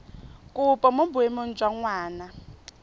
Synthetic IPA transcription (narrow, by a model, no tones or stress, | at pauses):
kʼʊpʼɔmobʊemon̩t͡ʃʼwaŋwaːna